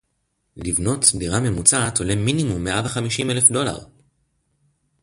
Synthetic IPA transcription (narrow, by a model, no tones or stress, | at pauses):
livno̞tdiʁame̞mut͡saːtoleminimumːeʔavaχamiʃimelefdo̞la̰ʁ